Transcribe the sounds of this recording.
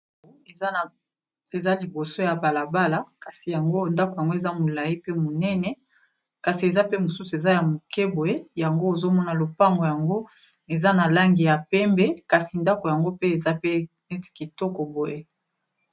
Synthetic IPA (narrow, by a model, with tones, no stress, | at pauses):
e˨za˦li˨bo˨so˦ja˨ba˨la˨ba˦la˨ka˨si˨ja˨ŋɡo˦nda˦ko˨ja˨ŋɡo˦e˨za˦mo˨la˨ji˦pe˦mo˨nɛ˦nɛ˨ | ka˨si˨e˨za˦pe˦mo˨su˦su˨e˨za˦ja˨mo˨kɛ˦bo˨je˦ja˨ŋɡo˦o˨zo˦mɔ˦na˨lo˨pa˦ŋɡo˨ja˨ŋɡo˦ | e˨za˦na˨la˦ŋɡi˨ja˨pɛ˦mbɛ˦ka˨si˨nda˦ko˨ja˨ŋɡo˦pe˦e˨za˦pe˦ | ɛ˦ti̥˨ki˨tɔ˦kɔ˨bo˨je˦